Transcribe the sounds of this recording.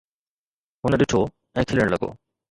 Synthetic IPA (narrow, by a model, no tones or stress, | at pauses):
ɦʊnəɗɪʈʰo | ɛ̃ːkʰɪləɽ̃lɐɡo̰ː